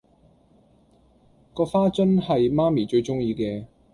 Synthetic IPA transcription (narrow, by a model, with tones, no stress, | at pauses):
kɔː˧faː˥t͡sɵ˥nhɐ˨jmaː˥miː˨˩t͡ʃɵ˧ɥt͡sʊ˥ŋjiː˧kɛː˧